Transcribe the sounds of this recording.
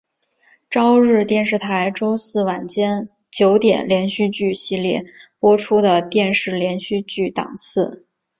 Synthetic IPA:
ʈ͡ʂɑ˥ʊɻɻ̩˥˧t̪jɛ˥˧nʂɻ̩˥˩t̪ʰa˧˥ɪʈ͡ʂo˥ʊsɹ̩˥˩wa˨˩nt͡ɕjɛ˥nt͡ɕjo˧˥ʊt̪jɛ̰˨˩nljɛ˧˥nɕy˥˧t͡ɕy˥˩ɕi˥˧ljɛ̰˥˩pwɔ˥ʈ͡ʂʰu˥d̪ə˨t̪jɛ˥˧nʂɻ̩˥˩ljɛ˧˥nɕy˥˧t͡ɕy˥˩t̪ɑ̰˨˩ŋsɹ̩˥˩

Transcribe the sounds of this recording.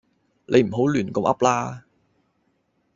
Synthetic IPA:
lʔe˨˧jm̩˨˩ɦo˨˥wlyː˨˩nko˧mʔɐ̰˥p̚laː˥

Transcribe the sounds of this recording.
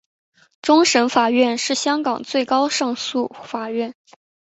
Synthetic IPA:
ʈ͡ʂʊ˥ŋʂə˧˥nfa˨˩ɥɛ˥˧nʂɻ̩˥˩ɕjɑ˥ŋkɑ˨˩ŋt͡swe˥˩ɪkɑ˥ʊʂɑ˥˧ŋsu˥˩fa˨˩ɥɛ˥˩n

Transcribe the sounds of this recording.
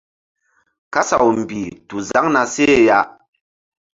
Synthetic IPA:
ka˦sa˨wm̩˨bi˨tu˨za˦ŋna˨se˦˨ja˦

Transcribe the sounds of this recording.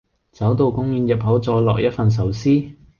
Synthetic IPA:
t͡sɐ˨˥wt̪o˧wkʊ˥ŋjyː˧njɐ˨˩p̚ɦɐ˨˥wt͡sɔː˨˧lɔː˨k̚jɐ˥t̚fɐ˨ns̬ɐ˨˥wsiː˥

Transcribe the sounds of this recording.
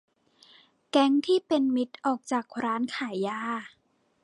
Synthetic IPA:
kɛ˦˥ŋt̪ʰiː˥˩pe˧nmi˦˥t̪̚ʔɔː˨˩k̚t͡ɕaː˨˩k̚ɾaː˦˥nkʰaː˩˦jːaː˧˥˩

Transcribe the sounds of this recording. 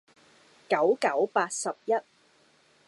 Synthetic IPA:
kɐ˨˥wkɐ˨˥wpaː˧t̚sɐ˨p̚jɐ˥t̚

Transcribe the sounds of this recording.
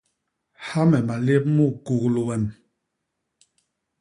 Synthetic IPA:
ha˦mɛ˨ma˨le˦p̚mu˦˨ku˨ɣlu˨wɛ˨n

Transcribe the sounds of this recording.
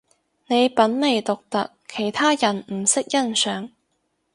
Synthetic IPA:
ne˨˧jpɐ˨˥nle˨˩jt̪ʊ˨k̚t̪ɐ̰˨kʰːe˨˩jt̪ʰaː˥jɐ˨˩nm̩˨˩sɪ˥k̚jɐ˥nsœː˨˥ŋ

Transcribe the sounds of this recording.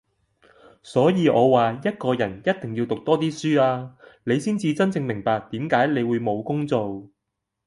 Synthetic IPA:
sɔː˨˥jiː˨˧ʔɔː˨˧waː˨jɐ˥t̚kɔː˧jɐ˨˩njɐ˥t̚t̪ɪ˨˩ŋji˧wt̪ʊ˨k̚t̪ɔː˥t̪iː˥syː˥aː˧ne˨˧jsiː˥nt͡siː˧t͡sɐ˥nt͡sɪ˧ŋmɪ˨˩ŋpaː˨k̚t̪iː˨˥mkaː˨˥jle˨˧jwuː˨˧jmo˨˧wkʊ˥ŋt͡so˨w

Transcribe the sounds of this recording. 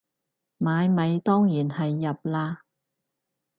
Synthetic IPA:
maː˨˧jmɐ˨˧jt̪ɔː˥ŋjiː˨˩nhɐ˨jːɐ˨p̚laː˧

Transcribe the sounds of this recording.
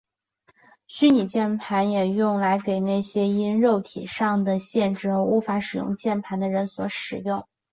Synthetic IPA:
ɕy˥ni˨˩t͡ɕjɛ˥˩npʰa˧˥njɛ˨˩jʊ˥˩ŋla˧˥ɪke˨˩ɪna˥˩ɪɕjɛ˥i˥nɻo˥˩ʊt̪ʰḭ˨˩ʂɑ˥˩ŋd̪ə˩ɕjɛ˥˧nʈ͡ʂɻ̩˥˧˥u˧˥fa˧˥ʂɻ̩˨˩jʊ̰˥˧ŋt͡ɕjɛ˥˩npʰa˧˥nd̪ə˧ɻə˧˥nswɔ˧˥ʂɻ̩˨˩jʊ˥˩ŋ

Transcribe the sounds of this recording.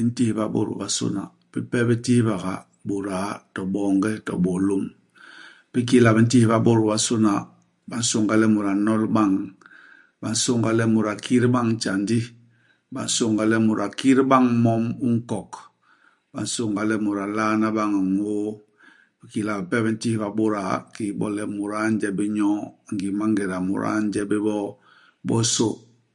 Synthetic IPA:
bi˦n̩˦ti˦hba̰˦bo̰˨ɾṵ˨ba˨so̰˦na˨ | pi˦pɛ˦bɛ˦ti˦hba˨ɣa˨ | bu˨ɾa˨˦tɔ˨bɔ˨ŋɡɛ˦tɔ̰˨ɓɔ˨lo˦m | pi˦k̬i˦la˨bi˨n̩˦ti˦i˨ba˦bo˦˨ɾu˨ba˦so˦na˨ | ba˨n̩˦so˦˨ŋɡa˨lɛ˦mu˨ɾa˨nɔ˦lba˦˨ŋ | ba˨n˦so˦ŋɡa˨lɛ˦mu˨ɾa˨kʰi˦ɾi˦ba˦ŋ˦t͡ʃa˨ndi˦ | ba̰˨n˦so˦˨ŋɡa˨lɛ˦mu˨ɾʔa˨ki˦ɾba˦ŋmɔ˦mu˦ŋ̩˦kɔ˨k | ba̰˨n˦so˦ŋɡa˨lɛ˦mu˨ɾa˨la˦na˦ba˦ŋa˨ŋo˦ | ba˨ki˨la˨bpɛ˦bɛ˦n˦ti˦hba˨bo˦ɾa˨ki˨bɔ̰˦lɛ˦mu˨ɾa˦n˦d͡ʒɛ˦bi˦ɲɔ˦˨ŋɡi˨ma˦ŋɡɛ˨ɾa˨mṵ˨ɾa̰˦ɲ˦d͡ʒɛ˦bi˦bɔ˦ | bɔ˦so̰˦

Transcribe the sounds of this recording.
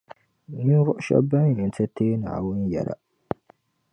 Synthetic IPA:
ni˦vʊ˦ʔʃɔ̰˦ba˦˨ni˨tɛ˦tʰeː˦na̰˨a̰˨wʊ˦n˦ja̰˨ɾa̰˨

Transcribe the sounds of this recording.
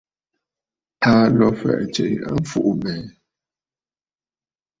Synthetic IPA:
taː˦lɔ˦fɛ̰˨ʔt͡ʃe˨ja˦m̩˦fu˦ʔmɛ˨˦

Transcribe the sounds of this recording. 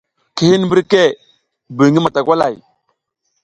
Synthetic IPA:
ki˨hi˦n˦m˦bi˦ɾke˦˨ | bi˨ŋi˦ma˨ta˨kʷwa˦la̰˨j

